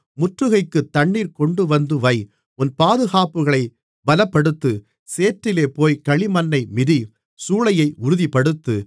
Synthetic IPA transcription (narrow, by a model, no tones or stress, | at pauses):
mʊʈrɯɣɐɪkːɯt̪ːɐɳːiːɾkɔɳɖɯʋɐnd̪ɯʋɐɪ | ʊnpaːðɯɣaːpɯɣɐɭɐɪ | bɐlɐpːɐɽɯt̪ːɯ | seːʈrɪleːpoːjkɐɭɪmɐnːɐɪmɪði | suːɭɐjɐɪʔʊɾʊðipːɐɽɯt̪ːɯ